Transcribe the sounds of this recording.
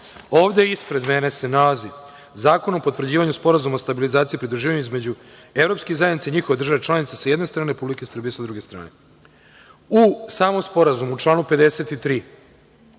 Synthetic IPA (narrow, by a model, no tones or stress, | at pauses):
oːʋd̪e̞ispɾe̞d̪me̞ne̞se̞nalazi | zaːko̞no̞po̞t̪vr̩d͡ʑiːʋaɲuspo̞ɾazumaost̪abilizaːt̪sipɾid̪ɾuʒiːʋaɲuizme̞d͡ʑu | evɾopskezajed̪nit̪seiɲixo̞ʋed̪r̩ʒaʋet͡ʃlˠaːnit̪esajed̪ne̞st̪ɾaːneɾepublikesr̩bije̞sad̪ɾuɡe̞st̪ɾa̰ːne̞ | usaːmo̞mspo̞ɾazumuut͡ʂlˠaːnupe̞d̪ese̞t̪it̪ɾiː